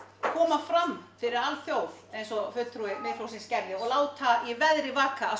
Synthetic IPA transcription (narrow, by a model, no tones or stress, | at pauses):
kʰɔːmafɾamfɪɾɪɾalθjoːwðejnsɔfʏt̪ɾuɪmɪːðʰl̥owsɪnscɛɾðɪɔɣlaːwt̪ʰaivɛðɾɪvaːkːaː